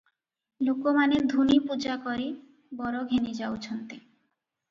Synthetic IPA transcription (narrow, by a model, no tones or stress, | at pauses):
lukomaneɾd̪ʱunipud͡ʑakoɾi | bɔɾoɡʱenid͡ʑaot͡ɕʰont̪e